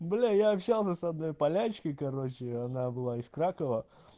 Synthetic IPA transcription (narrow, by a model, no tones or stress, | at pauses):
blʲejaɐpɕːalˠsʲəsɐd̪no̞jpɐlʲæt͡ɕkəjkɐɾo̞t͡ɕɪɐnabɨlˠaɪskɾakəvə